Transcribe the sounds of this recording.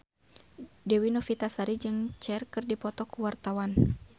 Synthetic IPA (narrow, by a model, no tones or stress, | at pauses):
dɛwinɔfit̪asaɾid͡ʒɨŋt͡ʃɛrkɨrdipɔt̪ɔkuwart̪awan